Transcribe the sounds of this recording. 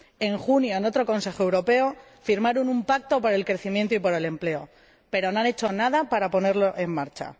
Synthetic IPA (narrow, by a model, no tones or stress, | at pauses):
e̞ŋxunjo̞eno̞t̪ɾo̞ko̞nse̞xoe̞wɾo̞pe̞o | fiɾmaɾonumpak̚t̪o̞poɾe̞lkɾe̞θimjent̪oipoɾe̞le̞mple̞o̞ | pe̞ɾonoane̞t͡ʃo̞nað̞apaɾapo̞ne̞ɾloʔe̞mːaɾt͡ʃa̰